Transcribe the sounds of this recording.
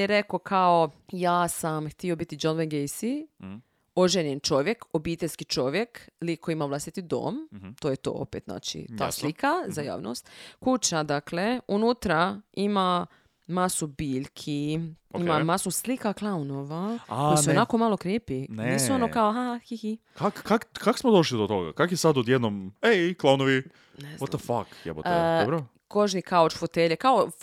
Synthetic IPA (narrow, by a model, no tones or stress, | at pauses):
eɾeko̞kʰaojaːsamxt̪io̞bit̪id͡ʒonʋenɡejsi | oʒenjent͡ʃo̞ʋjekobiːt̪e̞lʲskit͡ʃo̞ʋjeklikoimaʋlˠast̪it̪id̪o̰ːmt̪ojet̪o̰ːo̰peːt̪zna̰ːt͡ʃḭt̪a̰ːslikazaja̰ːʋno̰st̪kut͡ɕad̪akle̞unut̪ɾaima | masubiːʎkʰioimamasuslikaklˠaunoʋakaojsseonako̞malo̞kɾjeːpinnissuonokaoɦahihikakkakkako̥smod̪oʃlid̪ot̪oɡa̰kakjesad̪od̪jed̪nomeklˠaunoʋi | neoafa̰kjḛbo̰tːd̪obɾ | koʒnikaot͡ʃfot̪eʎekao